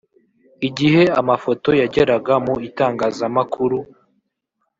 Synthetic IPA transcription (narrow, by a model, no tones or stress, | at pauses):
iɟihe̞amafo̞to̞jaɟe̞ɾaɡamuitaːŋɡaːzamakʰuɾu